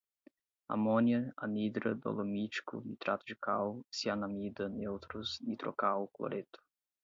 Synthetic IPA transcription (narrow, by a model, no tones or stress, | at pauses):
a̰mɔnjəanid̪ɾəd̪o̰lˠomit͡ʃkṵnit̪ɾat̪ʒikasianamid̪ənewt̪ɾusnit̪ɾo̰kaluklˠo̰ɾʔet̪u̥